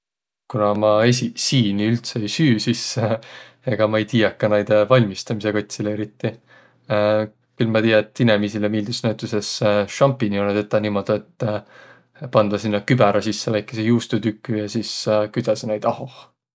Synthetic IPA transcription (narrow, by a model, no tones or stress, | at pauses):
kunɑmɑesisiːniylt̪seejsyːsis | eɡ̥ɑmɑejt̪iːɑkːɑnæjd̪̥vɑlʲmist̪ɑmise̞ko̞t̪ʲsileeɾit̪ːi | kylmɑt̪ijɑet̪ːinemisilemiːld̪usnæwt̪ˑuse̞sʃɑmpiniont̪et̪ːˑɑniːmo̞d̪̥uet̪ː | pɑnd̪̥ɑsinːɑkybɛɾɑsisːevæjkːˑesejuːst̪ut̪ykːˑyjɑsiskyjd̪̥ɑsenejt̪ɑho